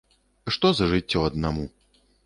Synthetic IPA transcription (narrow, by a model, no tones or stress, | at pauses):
ʂt̪ɔzɐʐɨt͡sʲːɔɐd̪namu